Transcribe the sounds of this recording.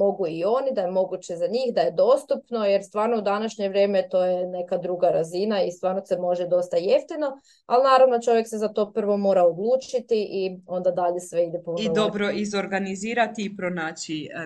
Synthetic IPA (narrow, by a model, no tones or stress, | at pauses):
mo̞ɡuio̞nid̪aje̞mo̞ɡut͡ɕe̞zaɲiːxd̪aje̞d̪o̞ːst̪upno̞jeɾst̪ʋaːɾnoud̪anaʃɲeʋɾʲje̞ːmet̪o̞ːjene̞kad̪ɾuɡaɾazinaist̪ʋaːɾnose̞mo̞ʒed̪o̞st̪aje̞ft̪ino̞ | alinaːɾaʋno̞t͡ʃo̞ʋjeksezat̪o̞pr̩ʋo̞mo̞ːɾaod̪lˠuːt͡ʃit̪iʔio̞nd̪ad̪aʎe̞sʋe̞id̪epuniod̪obɾo̞ʔizo̞ɾɡaniziːɾat̪iːpɾonaːt͡ɕi